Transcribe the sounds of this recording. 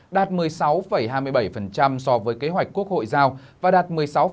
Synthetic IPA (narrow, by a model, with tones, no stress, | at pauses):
ɗaː˨˩t̚mɨ˨˩əjsa˨˦wfə˧˩jɦaː˧jmɨ˧əjɓə˧˩jfə˨˩nt͡ɕa˧msɔ˧vəː˨˦jke˨˦ɦwa˨˩jk̟ku˦˥ək̚ho̰˧˨jzaː˧wvaː˨˩ɗaː˨˩t̚mɨ˨˩əjsa˨˦w